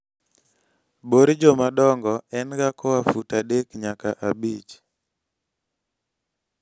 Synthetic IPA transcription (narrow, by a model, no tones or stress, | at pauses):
boɾd͡ʒɔmadɔŋɡɔɛnɡakɔwafutadekɲakaʔabit͡ʃ